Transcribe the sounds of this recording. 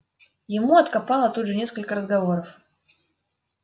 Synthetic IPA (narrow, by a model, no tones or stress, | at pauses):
jɪmuɐt̪kapalˠət̪ud̪ʐɨnʲeskəlʲkəɾəzɡɐvoɾəf